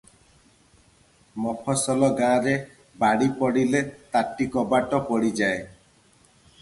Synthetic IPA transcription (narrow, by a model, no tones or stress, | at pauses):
mɔpʰɔsɔlɔɡãːɾe | baɽipɔɽilet̪aʈːikɔbaʈɔpɔɽid͡ʒae